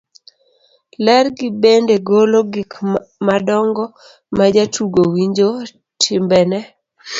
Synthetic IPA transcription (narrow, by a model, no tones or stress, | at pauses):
lɛrɡɪbendeɡoloɡɪkmadɔŋɡɔ | mad͡ʒatuɡowiɲd͡ʒo | tʰɪmbɛnɛ